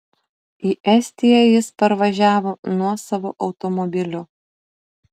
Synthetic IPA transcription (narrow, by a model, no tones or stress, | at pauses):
iːʔɛsʲt̪ʲijɛjɪspɐɾʋɐʒʲæːʋoːnuɔsɐʋoːʔɒʊt̪ɔmɔbʲɪlʲʊ